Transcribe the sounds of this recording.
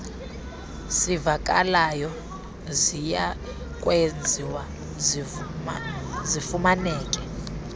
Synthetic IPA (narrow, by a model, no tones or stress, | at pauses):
sivak̬ʼa̰lajɔ | zija | kʼwend͡zʱiwa | zifumanɛːk̬ʼɛ